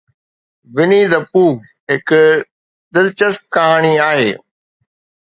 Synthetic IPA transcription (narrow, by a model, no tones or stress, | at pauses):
ʋɪniːd̪ɐpuːɡ | ɦɪk | d̪ɪlt͡ɕəsp̚kaːɳ̃iaːɦeː